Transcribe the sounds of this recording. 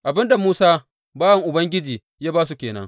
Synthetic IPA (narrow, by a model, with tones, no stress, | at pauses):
ʔa˨bɪ˦nda˨muː˦saː˦ | baː˦wɐ˨ŋʔʊ˨bɐ˦ŋɡʲɪ˦d͡ʒiː˨ | jaː˦baː˦s̬u˨kʲeː˨nɐ̰˦ŋ